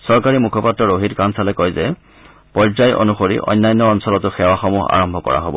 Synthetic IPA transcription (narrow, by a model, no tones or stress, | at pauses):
sɔɹkaɹimukʰɔpatɹɔɹoɦitkansalɛkɔjzɛ | pɔzajʔo̰nuxoɹḭʔɔ̰jnːajnːɔːnsɔlɔtʊxɛwaxɔmuɦa̰ɹɔmbʱɔkɔ̰ɹa̰ɦobɔ̰